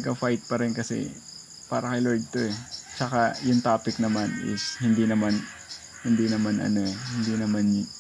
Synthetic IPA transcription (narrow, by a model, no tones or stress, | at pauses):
ɐɡɐfajt̪̚pɐɾɛnkɐsɛ̰ | pa̰ːɾɐkɐjloɹd̪̚t̪o̞ʔɛt͡ʃɐkajʊŋt̪aːpɪk̚nɐmanɪ̰shɪnd̪iːnɐman | hɪnd̪iːnɐmanʔɐ̰no̞ɛhɪnd̪iːnɐman